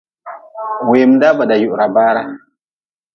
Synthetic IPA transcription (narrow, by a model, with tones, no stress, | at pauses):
we˨m˦da˦ba˨da˨ju˨ʔɾa˨baː˦ɾa˨